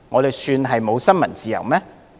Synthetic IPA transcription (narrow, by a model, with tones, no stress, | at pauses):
ŋɔ˨˧ɾe˨jsyː˧nɦɐ˨jmo˨˧wsɐ˥nmɐ˨˩nt͡siː˨jɐ˨˩wmɛː˥